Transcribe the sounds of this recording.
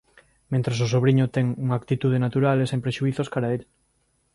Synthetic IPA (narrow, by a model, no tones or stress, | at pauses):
mẽnt̪ɾas̬os̬oβ̞ɾiɲot̪ɛŋuŋaːkt̪it̪uð̞enat̪uɾalesempɾeʃuiθoskaɾaeʎ